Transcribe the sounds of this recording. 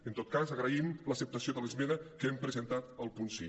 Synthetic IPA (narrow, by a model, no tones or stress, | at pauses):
ənt̪ot̪̚kazəɣɾəimləsəp̚t̪əsioðələzmenəkəempɾəzənt̪at̪əlˠpunsi